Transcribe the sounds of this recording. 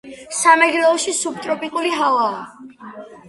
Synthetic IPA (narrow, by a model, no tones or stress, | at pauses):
samɛɡlɛɔʃisub̚t̪ʼɾɔpʼikʼuliɦalˠaː